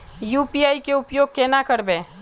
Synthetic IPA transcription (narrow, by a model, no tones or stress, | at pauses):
juːpiaːikeʊpjoːɡ̚keːnakəɾbẽː